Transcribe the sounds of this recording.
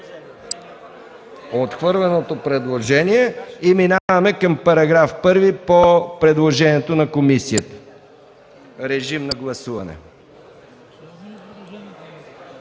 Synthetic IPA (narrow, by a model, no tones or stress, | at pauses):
ot̪xvɤɾlɛnot̪opɾɛd̪lˠoʒɛniɛiminavɐmɛkəmpɐɾɐɡɾafpɤɾvipopɾɛd̪lˠoʒɛniɛt̪onɐkomisiət̪ə̥ | ɾɛʒimnɐɡlˠɐsuvɐ̰nɛ̰